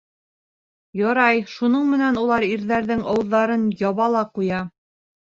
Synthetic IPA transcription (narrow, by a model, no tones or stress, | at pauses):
jɑɾɑjʃunɤɴmɘ̆nænulˠɑɾiɾðæɾðɘŋɑwɤ̆ðːɑɾɤnjɑβɑlˠɑqujɑ